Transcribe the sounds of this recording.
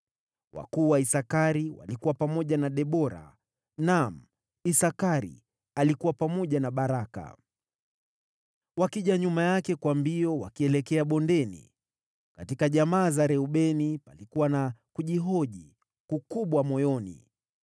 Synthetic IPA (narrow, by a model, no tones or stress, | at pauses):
wa̰kuːwaisakaɾiwa̰likuwapamɔʄanaɗɛɓɔɾa̰ | nam̩ | isakaɾḭ | alikuwapamɔʄanaɓaɾaka̰ | wakiʄaɲumajakɛkwambiɔwakiɛlɛkɛaɓɔndɛnḭ | katikaʄamaːzaɾɛuɓɛnipalikuwanakuʄiɦɔʄi | kukuɓwamɔjɔnḭ